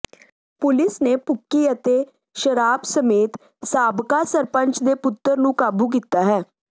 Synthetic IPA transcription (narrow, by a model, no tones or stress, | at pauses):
pʊlɪsneːpʊkːiːət̪eː | ʃəɾaːbsəmeːt̪ | saːbkaːsəɾpə̃ɲt͡ʃd̪eːpʊt̪ːəɾnũːkaːbuːk̬iːt̪ːaːɦɛː